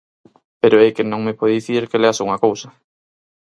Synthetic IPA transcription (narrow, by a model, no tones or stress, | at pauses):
peɾoɛkenõŋmepɔððiθiɾkeleasouŋɐkowsɐ